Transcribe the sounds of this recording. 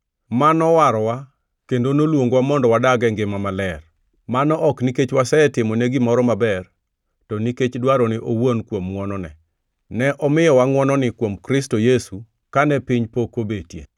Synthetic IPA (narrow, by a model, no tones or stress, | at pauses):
manɔwaɾɔwa | kendonolwoŋɡwamɔndɔwadaɡɛŋɡɪmamalɛr | manɔʔɔkniket͡ʃwasɛɛtɪmoneɡɪmɔɾɔmabɛr | tɔniket͡ʃdwaɾɔnɪʔowonkwomŋwɔnɔnɛ̰ | nɛʔɔmɪjɔwaŋwɔnɔnɪkwomkɾɪstojesu | kanɛpɪɲpokobetjḛ